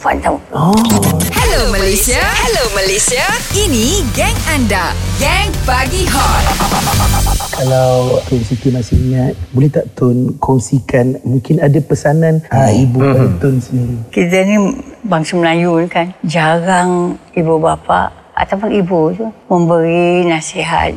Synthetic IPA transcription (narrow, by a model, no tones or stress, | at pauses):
fant̪a | ɔhɛlomalesiahɛloməlesiainiɡɛŋandaɡɛŋbaɡiɦɔl | kalawt̪ʊnsit̪umasɪhɲat̪̚bolɛht̪aʔt̪ʊnkʰɔŋsikanmũŋkɪnadapəsanãnəibukadat̪ʊnsəniɾikit̪̬ənibaŋsaməlajunkand͡ʒaɾaŋibubapa̰ʔ | a̰t̪awpʊnibut̪umə̃mbəɾinasiɦa̰t̪̚